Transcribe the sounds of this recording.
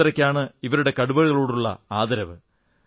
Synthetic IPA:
iɾɐkʲːaːɳɨiʋɐɾuɽe̞kɐɽubɐɻɣɐɭoːɽuɭːɐ̰aːd̪ɐɾɐʋɨ

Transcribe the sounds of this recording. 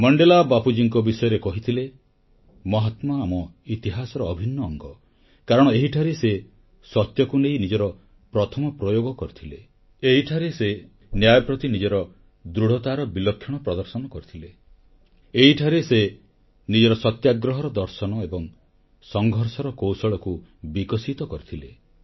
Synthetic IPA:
mɔɳɖelabapud͡ʒiŋkɔbisɔjɔɾekɔɦit̪ʰile | mɔɦɔt̪mɔamɔit̪iɦasɔɾɔːbʱinːɔːŋɡɔ | kaɾɔɽ̃ɔeɦiʈʰaɾese | sɔt̪jɔkunejnid͡ʒɔɾɔ | pɾɔt̪ʰɔmɔpɾɔjoɡɔkɔɾit̪ʰile | eɦiʈʰaɾese | njajɔpɾɔt̪inid͡ʒɔɾɔ | d̪ɾuɽ̤ɔt̪aɾɔbilɔkʰːjɔɽ̃ɔpɾɔd̪ɔɾsɔnɔkɔɾit̪ʰile | eɦiʈʰaɾese | nid͡ʒɔɾɔsɔt̪jaɡɾɔɦɔɾɔd̪ɔɾsɔnɔebɔŋ | sɔŋɡʱɔɾsɔɾɔkowsɔɭɔku | bikɔsit̪ɔkɔɾit̪ʰile

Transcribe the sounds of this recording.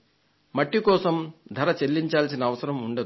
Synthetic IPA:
mɐʈːikɔːsɐmd̪ʱɐɾɐt͡ʃelːiɲt͡ʃaːlsinɐːʋɐsɐɾɐmuɳɖɐd̪

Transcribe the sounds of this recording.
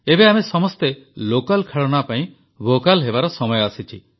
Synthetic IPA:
ebeamesɔmɔst̪elokalkʰeɭɔɽ̃apaĩ | bokalɦebaɾɔsɔmɔjɔasit͡ʃʰi

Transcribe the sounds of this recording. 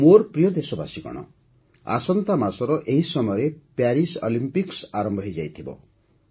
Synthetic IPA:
moɾpɾijɔd̪esɔba̰siɡɔ̰ɽ̃ɔ̰ | a̰sɔnt̪amasɔɾɔʔeɦisɔmɔjɔɾepaɾisɔ̰limpiksaɾɔmbʱɔɦɔjd͡ʒajt̪ʰibɔ̰

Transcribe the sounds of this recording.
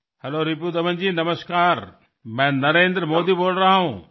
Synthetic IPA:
hɐloːɾip̬uːd̪ɐʋə̃nd͡ʑiːnɐməskaːɾ | mɛ̃ːnɐɾẽːnd̪ɾəmoːd̪iboːlɾɐɦaɦũː

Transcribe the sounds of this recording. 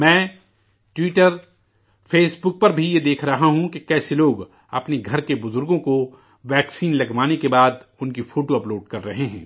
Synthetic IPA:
mɛ̃ː | ʈwɪːʈəɾ | fʰeːsbʊk̚pɐɾbʱijed̪eːkʰɾɐɦaɦũkekɛːseloːɡ | ɐpneɡʱɐɾkebʊzʊɾɡõko | ʋɛːksiːnlɐɡʋaːnekebaːd̪ʊnkifʰoːʈoɐploːɖkɐɾːɐɦeɦɛ̰̃ː

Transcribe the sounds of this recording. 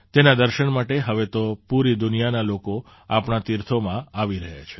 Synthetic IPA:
t̪enad̪əɾʃəɳmaʈeɦəʋet̪opuɾid̪ʊnijanaloko | apɳat̪iɾt̪ʰomãaʋiɾəɦa̰t͡ʃʰe̥

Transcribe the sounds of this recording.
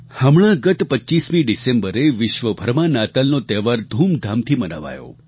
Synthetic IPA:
hamɭ̃ãɡət̪pəʃismiɖisẽmbəɾeʋɪʃʋəbʱəɾmanat̪əlnot̪ɛʋaɾd̪ʱumd̪ʱamt̪ʰiməna̰ʋa̰jo̰

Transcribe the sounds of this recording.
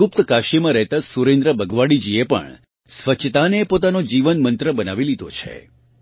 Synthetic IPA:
ʊp̚t̪kaʃimãɾɛɦt̪asuɾẽnd̪ɾəbəɡʋaɽid͡ʒiepə̰ɳ | sʋət͡ʃʰt̪anepot̪anod͡ʒiʋənmənt̪ɾəbənaʋilid̪ot͡ʃʰḛ

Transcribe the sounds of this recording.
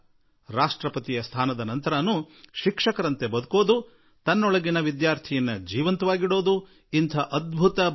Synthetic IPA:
ɾaːʂʈɾɐpɐt̪ijɐst̪ʰaːnɐd̪ɐnɐnt̪ɐɾaːnːuʃikʂɐkɐɾɐnt̪ebɐd̪uko̞ːd̪u | t̪ɐnːɔɭɐɡinɐʋid̪jaːɾt̪ʰijinːɐd͡ʒiːʋɐnt̪uʋaːɡiɽo̞ːd̪u | int̪ʰɐʔɐd̪̚bʱut̪ɐ

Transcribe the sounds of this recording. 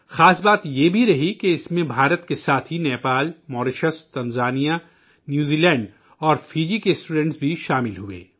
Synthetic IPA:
xaːsbaːt̪jebʱiɾɐɦikeɪsmẽbʱaːɾət̪kesaːt̪ʰɦinɛːpaːlmɔːɾɪʃəst̪ɐnzaːnija | njuːziːlɛ̃ːɳɖ | ɔːɾfiːd͡ʒikesʈuːɖɛ̃ɳʈsbʱiʃaːmɪlɦuḛː

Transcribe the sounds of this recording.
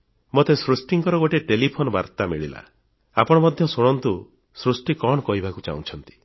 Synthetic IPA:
mot̪esɾusʈiŋkɔɾɔɡoʈeʈelipʰonɔbaɾt̪amiɭila̰ | a̰pɔɽ̃ɔmɔd̪ʱjɔsoɽ̃ɔnt̪u | sɾusʈikɔɽɔkɔɦibakut͡ʃa̰ũt͡ʃʰɔnt̪i̥

